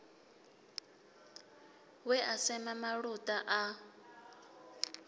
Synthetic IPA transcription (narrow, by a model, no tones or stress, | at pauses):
wɛʔasɛmamaɺutʼaʔa